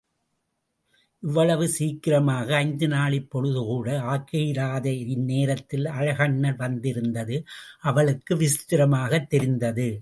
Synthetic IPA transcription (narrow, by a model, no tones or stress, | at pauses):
ʔɪʋːɐɭɐʋɯsiːkːɪɾɐmaːɣɐːɪnd̪ɯnaːɭɪpːɔɻɯðɯkuːɽɐaːkːɐjɪɾaːðɐɪnːeːɾɐt̪ːɪlɐɻɐɣɐɳːɐlʋɐnd̪ɪɾɯnd̪ɐðɯʔɐʋɐɭɯkːɯʋɪst̪ɪɾɐmaːɣɐt̪ːɛɾɪnd̪ɐðɯ